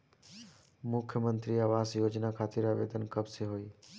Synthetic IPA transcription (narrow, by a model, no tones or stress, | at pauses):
mʊkʰjəmənt̪ɾiaːʋaːsjoːd͡ʒnakʰaːt̪ɪɾaːʋḛːd̪ənkəbseɦoːiː